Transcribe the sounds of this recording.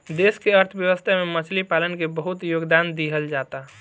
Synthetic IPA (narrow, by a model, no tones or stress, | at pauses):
d̪eːskeəɾt̪ʰəbjəʋəst̪ʰamemət͡ʃʰlipaːlənkebəɦut̪joːɡd̪and̪iɦəld͡ʒaːt̪a